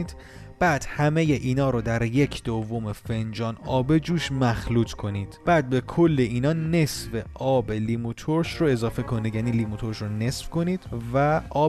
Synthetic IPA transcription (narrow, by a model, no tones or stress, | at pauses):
d̪̥ | b̥æːd̪̥hæme̞jeʔiːnɒːɾod̪æɾje̞cʰd̪̥ovːome̞fe̞nd͡ʒɒːnɒːbe̞d͡ʒuːʃmæxluːt̪ʰkʰo̞niːd̪̥b̥æːd̪̚be̞kʰo̞lːe̞ʔiːnɒːne̞sve̞ʔɒːbe̞limut̪ʰoɾʃroe̞zɒːfe̞kʰo̞nid̪jæniːlimut̪ʰo̞ɾʃɾone̞sfkʰo̞niːd̪̥væʔɒː